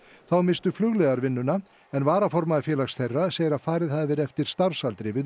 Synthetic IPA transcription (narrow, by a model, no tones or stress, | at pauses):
θawmɪnst̪ʏflʏɣlɛɣaɾvɪnːʏna | ɛnvaːɾafɔɾmaðɪfjɛːlaxsθejrːaseːjɪɾaðfaːɾɪðhaðvɪɾɛft̪ɪɾ̥st̪aɾsalt̪ɾɪvɪð